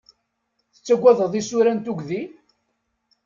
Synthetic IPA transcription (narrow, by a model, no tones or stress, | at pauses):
θət͡sːæɡʷːæðəðˤisuɾænt̪uɡði